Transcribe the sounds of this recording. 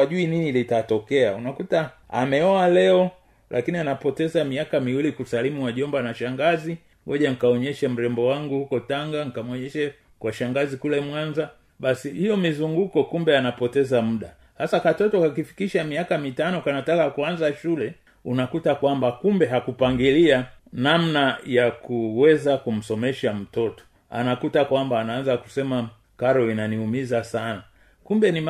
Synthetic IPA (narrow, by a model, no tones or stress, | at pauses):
waʄuininilitatɔkɛaunakutaa̰mɛɔalɛɔ | lʔa̰kinianapɔtɛzamiakamiwilikusalimuwaʄɔmbanaʃaŋɡazi | wɔʄaŋ̩ikaɔɲɛʃam̩ɾɛmbɔwaŋɡuhukɔtaŋɡaŋ̩ikamwɔɲɛʃɛ | kwaʃaŋɡazikulɛmwanza | ɓasihijɔmizuŋɡukɔkumbɛanapɔtɛzam̩ɗa | hasakatɔtɔkakifi̥kiʃamiakamitanɔkanatakakuanzaʃulɛ | unakutakwambakumbɛɦakupaŋɡilianamnajakuwɛzakum̩sɔmɛʃam̩tɔtɔ̥ | a̰nakutakwambaːnaanzaku̥sɛma | kaɾɔinaniumizasana | kumbɛnim